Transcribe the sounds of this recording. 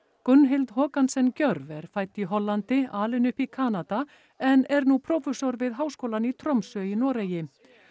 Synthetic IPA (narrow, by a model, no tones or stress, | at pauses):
kʏnːɦɪlt̪ɦɔːkansɛncœɾvɛɾ̥faːjt̪iɦɔlːant̪ɪaːlɪnʏhpikʰaːnat̪a | ɛnɛɾnupʰɾɔfɛsɔɾvɪðɦaːwskoːwlanit̪ʰɾɔmsʏinɔːɾejɪ